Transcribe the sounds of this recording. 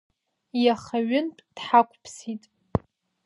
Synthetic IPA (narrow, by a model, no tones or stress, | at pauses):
jaχaɥʊnpʼd̥ħakʷʰʼpʰsitʼ